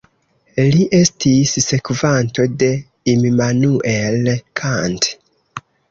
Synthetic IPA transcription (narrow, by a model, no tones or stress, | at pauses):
liʔe̞stʰisːe̞kvanto̞de̞ | imimanuʔelkʰant